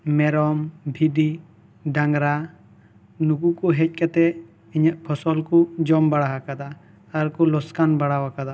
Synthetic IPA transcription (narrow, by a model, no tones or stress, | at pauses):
mɛɾɔmbʱiɖi | ɖaŋɡɾa | nukukuɦɛc̚ˀkat̪ɛ | iɲaʔbʰɔsɔlkud͡ʒɔmbaɽaɦakad̪aː | ɾkɔlɔskanbaɽawakad̪a